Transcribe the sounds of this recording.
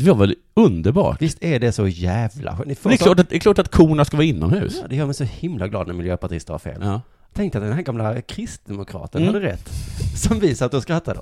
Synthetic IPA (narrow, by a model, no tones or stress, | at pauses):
d̪ɛvaɾvɛl | ɵnd̪əɾbɑ̰ːʈvɪst̪æɖɛsɔjæːvla̰ɧɛnɪfd̪ɛk̪ɑːʈat̪d̪ɛklɑːʈat̪kʰuːɳaskavɑːɪnːɔ̰mhʉ̟̰ːsːd̪ɛjœːmɛjsɔhɪmlaɡlɑ̰ːd̪næɾmɪljøːpaʈʰḭːst̪va̰ɾfḛːl | t̪ʰɛŋkt̪əat̪d̪ɛnɦæːɾɡamlakʰɾɪst̪̚d̪ɛmʊkʰɾɑ̰ːt̪ənhad̪əɾɛt̪ːsɔmviːsaat̪̚d̪ɔmskɾat̪ʰːad̪ə